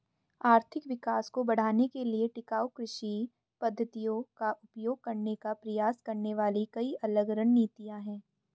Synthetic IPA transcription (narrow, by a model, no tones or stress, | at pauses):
aːɾt̪ʰɪkʋɪkaːskobɐɽ̤aːnekelieʈɪkaːokɾɪʃi | pɐd̪ʱːət̪ijõkaʔʊpjoːɡ̚kɐɾnekapɾɐjaːskɐɾneʋaːlikɐiʔɐləɡɾɐnːiːt̪ijãɦɛ̃ː